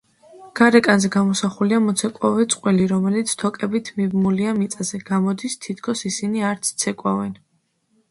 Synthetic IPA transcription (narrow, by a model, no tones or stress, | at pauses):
ɡ̥aɾɛkʼanzɛɡamɔsaχuliamɔt̪sʰɛkʼwavɛt̪sʼqʼwɛliɾɔmɛlit̪sʰt̪ʰɔkʼɛbit̪ʰmibmuliamit̪sʼazɛɡ̥amɔd̪ist̪ʰit̪ʰkʰɔsisiniaɾt̪sʰt̪sʰɛkʼwavɛn